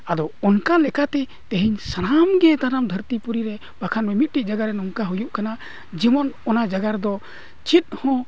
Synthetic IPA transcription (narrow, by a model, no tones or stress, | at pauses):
ad̪ɔɔnkalɛkat̪ɛ | t̪eɦiɲsanamɡɛt̪anamd̪ʱəɾt̪ipuɾiɾɛ | b̥akʰanmɛmit̪̚ˀʈiʔ̚d͡ʒaɡaɾɛnɔŋkaɦujuʔkana | d͡ʒimɔnɔnad͡ʒaɡaɾd̪ɔ | t͡ʃit̪̚ˀhɔ̃